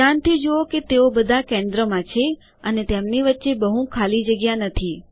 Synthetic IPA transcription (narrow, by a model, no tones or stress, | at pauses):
ant̪ʰid͡ʒooket̪eobəd̪ʱakẽnd̪ɾəmãt͡ʃʰe | ənet̪emniʋətːʃebəɦũkʰalid͡ʒəɡjanət̪ʰi